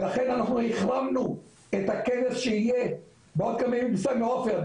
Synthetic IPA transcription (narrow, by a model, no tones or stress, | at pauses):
laχe̞nanaχnuhiχlamnu | et̪hakenesʃeije | beod̪̚kamemibsameofel